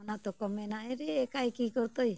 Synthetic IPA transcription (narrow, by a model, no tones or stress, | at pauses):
nat̪ɔkɔmɛnaɛɾiːkaikikɔɾt̪oi